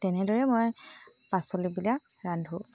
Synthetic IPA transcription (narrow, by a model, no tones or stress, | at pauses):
tɛnɛdɔɹɛmoj | pasolibilak | ɹandʱɦo